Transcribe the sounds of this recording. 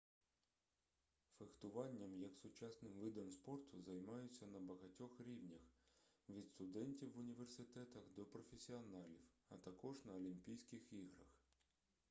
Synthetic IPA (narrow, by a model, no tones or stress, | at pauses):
fext̪ʊʋɑnʲːɐmjɐksʊt͡ʃɑsnɪmʋɪd̪ɐmspɔrt̪ʰʊzɐjmɑjʊt͡sʲːɐnɐbɐɦɐtʲɔxɾʲiwnʲɐxʋʲid̪st̪ʊd̪ɛnʲtʲiwːʊnʲiʋersɪt̪ɛt̪ɐxd̪ɔpɾɔfʲesʲiɔnɑlʲiwɐt̪ɐkɔʒnɐɔlʲimpʲijsʲkɪxiɦɾɐx